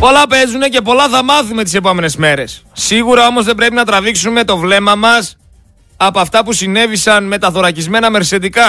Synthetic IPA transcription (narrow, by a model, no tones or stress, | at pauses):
po̞lɐpe̞zune̞ce̞po̞lɐθɐmɐθumet̪̬ise̞po̞me̞ne̞zme̞ɾe̞sːiɣuɾɐo̞mo̞zðe̞bɾe̞pinɐt̪ɾɐðiksume̞t̪o̞vle̞mɐmɐs | ɐpoɐft̪ɐpusine̞visɐnme̞t̪ɐθoɾɐcizme̞nɐme̞ɾse̞t̪ikɐ